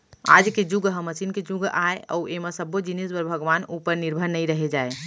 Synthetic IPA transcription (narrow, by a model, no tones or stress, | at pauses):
a̰d͡ʒked͡ʒuɡɦəməsinked͡ʒuɡaeə̰uemasəbod͡ʒinisbəɾbʱəɡʋanupəɾniɾbʱəɾnəjɾəɦed͡ʒae